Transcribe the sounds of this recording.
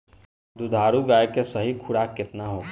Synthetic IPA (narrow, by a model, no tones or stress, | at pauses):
d̪ud̪ʱaːɾuɡaːjkesɐɦikʰʊɽakɪt̪naɦoː